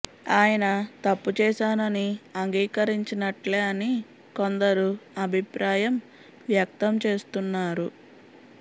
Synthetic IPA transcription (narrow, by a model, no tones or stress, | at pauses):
aːjɐnɐt̪ɐpːut͡ʃɛːʃaːnɐniɐŋɡiːkɐɾiɲt͡ʃinɐʈleːɐni | ko̞nd̪ɐɾuɐbʱipɾʔaːjɐm | ʋjɐk̚t̪ɐmt͡ʃe̞ːst̪unːaːɾu